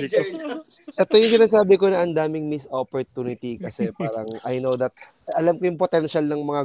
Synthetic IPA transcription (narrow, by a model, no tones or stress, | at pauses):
ʔɛt̪o̞jʊŋs̬ɪnaːs̬aːbɪko̞nɐʔɐnd̪aːmɪŋmɪsʔopoɹt̪uːnɪt̪ikɐsɛpaːɾɐŋʔɐjnowd̪ɐt̪̚ | ʔɐlamkojʊŋpot̪ɛnʃɐlnɐŋmɐŋa